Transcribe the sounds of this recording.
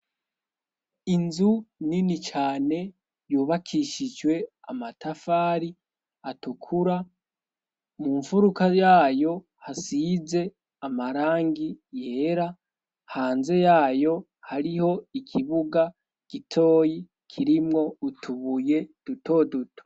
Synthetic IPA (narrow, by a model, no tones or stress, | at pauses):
inzuninit͡ʃaːne̞ | juːβakʰiʃid͡ʒɡwe̞a̰matʰafaːɾi | atukʰuɾa | muɱfuɾukajaːjo̞ | hasiːze̞ | amaɾaːŋɡije̞ːɾa | haːnze̞jaːjo̞ | haɾiho̞ikʰiβuɡa | ɡ̥itʰo̞ːji | kʰiɾimŋo̞utʰuβuje̞d̥utʰo̞ːdutʰo̥